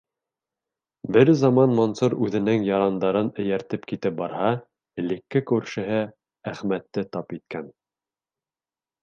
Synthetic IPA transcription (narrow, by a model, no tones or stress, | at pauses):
bɘɾzɑmɑnmonsuɾʉðɘ̆nɘŋjɑɾɑnd̪ɑɾɤnɘ̆jæɾt̪ɘpkit̪ɘp̚bɑɾhɑ | ɘ̆lɘ̆kːɘkʉɾʃɘ̆ɦɘ | æχmæt̪ːɘt̪ɑpit̪̚kæn